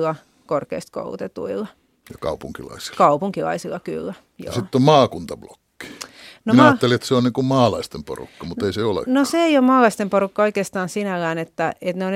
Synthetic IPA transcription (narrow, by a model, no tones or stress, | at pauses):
lːˑɑ | korkḛist̪ko̰ulṵt̪et̪ṵilːɑ | jɑkɑ̰upuŋkilɑ̰ˑisi̥lkɑupuŋkilɑ̰isilːɑky̰lːæ | joɑ̰sit̪ːommɑːkunt̪ɑb̥lo̰kːi̥nominæɑːt̪ːeliet̪seonniːkummɑːlɑist̪empo̰rṵkːɑmut̪eiseolḛnoseeiomɑːlɑist̪emporukːɑoikeːst̪ɑːnsinælːˑæːnet̪ːæet̪neon